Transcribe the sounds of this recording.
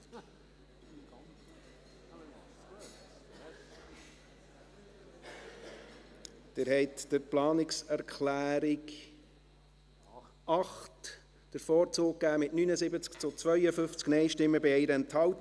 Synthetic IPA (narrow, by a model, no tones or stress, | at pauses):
d̥ɪɾhɛɪtd̥əɾplɑːnɪksɛɾkʰχlæːɾɪk | ɑχt | d̥əɾfɔːɾt͡soːk̚kːæːmɪtnynəzɪbət͡skt͡sʊt͡svœʏəfʏft͡sknɛɪʃtɪmːəbɪɛɪɾəɛnthɑlt